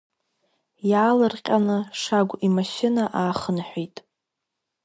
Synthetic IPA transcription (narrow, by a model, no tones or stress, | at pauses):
jaːlɨrqʲʼanɨʂaɡʷimaʃɪnaʔaːχənħʷᶣitʼ